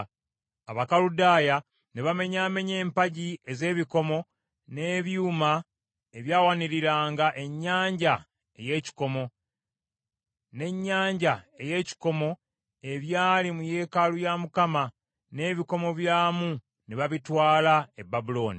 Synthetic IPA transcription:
aβakaludaːja | neβame̞ɲaːme̞ɲe̞ːmpaɟie̞ze̞ːβiko̞mo̞ | ne̞ːβjuːma | eβjaːwaniɾiɾaːŋɡaʔe̞ɲːaːɲɟa | eje̞ːci̥ko̞mo̞ | ne̞ɲːaːɲɟae̞je̞ːci̥ko̞mo̞ | e̞βjaːlimuje̞ːkalujamukama | ne̞ːβiko̞mo̞βjaːmu | neβaβitwaːlae̞bːabulo̞ːni

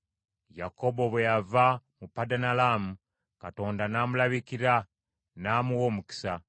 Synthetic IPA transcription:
jako̞bo̞βwejavamupːadanalamu | kato̞ːndanaːmulaβikiɾa | naːmuwoːmuki̥sa

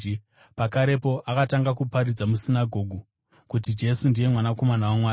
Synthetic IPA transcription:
pakaɾe̞po̞ʔakataŋɡakupaɾid͡zamusinaɡʱo̞ːɡʱu | kutid͡ʒe̞sundije̞mwanako̞manawamwaː

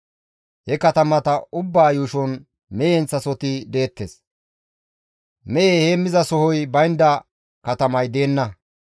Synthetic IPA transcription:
hɛkɐt̪ɐmɐt̪ɐʊbːaːjuːʃɔn | mɛjɛnt͡sːɐsɔt̪ɪd̪eːt̪ːes | mɛʔehemɪzɐsɔhɔjbɐjnd̪ɐ | kɐt̪ɐmɐjd̪e̞ːnːɐ

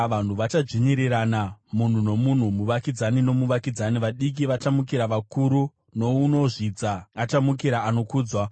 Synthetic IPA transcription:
ʋan̤uʋat͡ʃad͡ʒiɲiɾiɾanamun̤uno̞mun̤umuʋakid͡zanino̞muʋakid͡zaniʋaɗik̬iʋat͡ʃamukiɾaʋakuɾu | no̞uno̞ʐid͡zaːt͡ʃamukiɾaano̞kuːd͡zwa

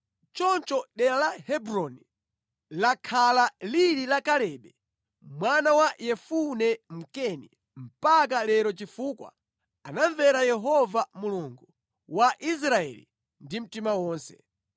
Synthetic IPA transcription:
t͡ʃɔnt͡ʃɔɗɛɾalahɛbɾɔni | lakʰalaliɾilakalɛɓɛ | mwanawajɛfunɛm̩kɛni | m̩pak̬alɛɾɔt͡ʃifuːkwa̰ | anaɱvɛɾajɛɦɔvamuluŋɡu | waʔis̬ɾaɛ̰lḭ | ndim̩timawɔːnsɛ̰

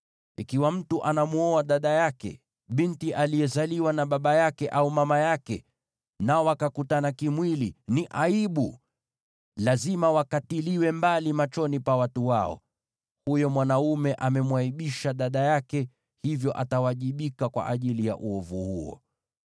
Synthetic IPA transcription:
ikiwam̩tuʔanamuɔaɗaɗajakɛ̰ | ɓintiʔalijɛzaliwanaɓaɓajakɛʔaumamajakɛ | naɔwakakutanakimwiliniʔaiɓu | lazimawakatiliwɛmbalimat͡ʃɔnipawatuwaɔ̰ | hujɔmwanaumɛʔamɛmwaiɓiʃaɗaɗajakɛ | hivjɔʔatawaʄiɓikakwa̰ʔaʄilija̰ʔuɔvuhuɔ̰

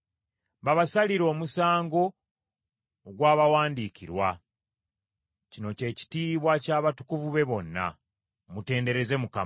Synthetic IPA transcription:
βaβasaliɾo̞ːmusaːŋɡo̞ | ɡwaːβawaːndiciɾwa | cino̞ce̞ːci̥tiːβwacaːβatu̥kuvuβe̞βo̞nːa̰ | mute̞ːnde̞ɾeze̞muka

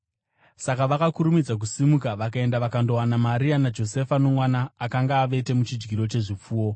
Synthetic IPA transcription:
sakaʋakakuɾumid͡zak̬usimukaʋakae̞ndaʋakando̞wanamaɾianad͡ʒo̞se̞fano̞mwanaːkaŋɡaːʋe̞te̞mut͡ʃid͡ʒɡʱiɾo̞t͡ʃe̞ʐip͡fuːwo̞

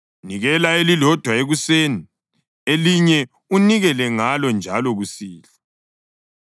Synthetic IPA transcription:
niɣɛlaelilɔd̥ʱwaeɣuseni | eliɲɛ | uniɣɛlɛŋalɔnd͡ʒʱalɔɣusiːla

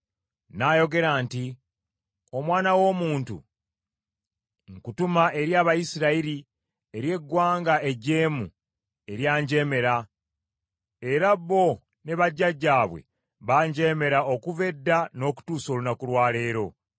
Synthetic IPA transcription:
naːjo̞ɡe̞ɾaːnti | o̞mwaːnawo̞ːmuːntṵ | ŋkutumaʔe̞ɾjaːβajisiɾaiɾi | eɾje̞ɡːwaːŋɡae̞ɟe̞ːmṵ | e̞ɾjaːɲɟe̞ːme̞ɾa | eɾabːo̞ | ne̞βaɟːaɟːaːβwḛ | βaːɲɟe̞ːme̞ɾao̞kuve̞dːano̞ku̥tuːso̞ːlunakulwaːle̞ːɾo̞

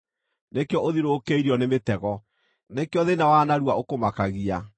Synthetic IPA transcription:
nekeɔʔoðiɾoːkeiɾiɔnemetɛɣɔ | nekeɔðenawanaɾuwaokomakaɣia

